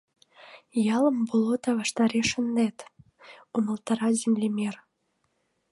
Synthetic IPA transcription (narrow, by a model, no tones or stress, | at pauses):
jɑlə̆mbolot̪ɑβɑʃt̪ɑɾeʃə̆nd̪et̪ | umə̆lt̪ɑɾɑzʲimlʲemer